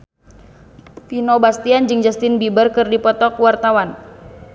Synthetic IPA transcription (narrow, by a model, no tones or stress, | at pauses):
pinobast̪iand͡ʒɨŋd͡ʒast̪inbibərkɨrdipɔt̪ɔkwart̪awan